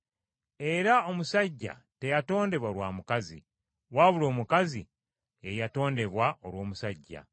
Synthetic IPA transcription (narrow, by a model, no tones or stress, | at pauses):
e̞ɾao̞musaɟːa̰ | te̞jato̞ːnde̞βwalwaːmukazḭ | waβulo̞ːmukazi | ejato̞ːnde̞βwaʔo̞ɾwo̞ːmusaɟːa̰